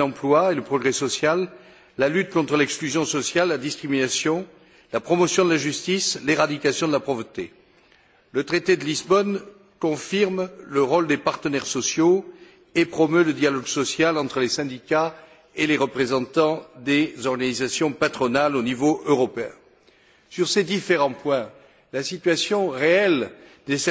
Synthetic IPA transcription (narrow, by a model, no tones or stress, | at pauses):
ɑ̃plwaeləpχɔɡʁɛsɔsjalː | alyt̪̚kɔ̃t̪χəlɛksklyzjɔ̃sɔsjalːad̪iskχiminasjɔ̃ | lapχɔmɔsjɔ̃d̪əlaʒyst̪isleʁad̪ikasjɔ̃d̪əlapχɔvʁət̪e | lət̪χet̪ed̪əlizbɔn | kɔ̃fiʁmləʁɔld̪epaʁt̪ənɛʁsɔsjo | epχɔmøləd̪jalɔɡsɔsjalɑ̃t̪χəlesɛ̃d̪ika | eleʁəpχezɑ̃t̪ɑ̃d̪ezɔʁɡanizasjɔ̃pat̪χɔnalonivoʔøʁɔpeɛ̰̃ | syʁsed̪ifeʁɑ̃pwɛ̃ | lasit̪ɥasjɔ̃ʁeɛlnes